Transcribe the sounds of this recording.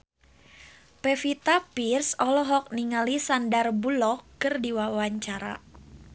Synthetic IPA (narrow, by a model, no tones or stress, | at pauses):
pɛfit̪apirsɔlɔɦɔk̚niŋalisandarbulɔkːɨrdiwawaɲt͡ʃaɾa̰